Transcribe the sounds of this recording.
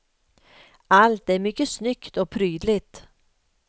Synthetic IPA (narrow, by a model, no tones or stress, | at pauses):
alt̪æɾmʏkːəsnʏkt̪ɔpʰɾyːd̪lɪt̪